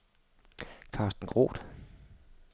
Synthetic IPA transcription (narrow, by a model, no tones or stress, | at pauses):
kʰɑ̈ːsd̥n̩ɡ̥ʁo̝̰ːd̥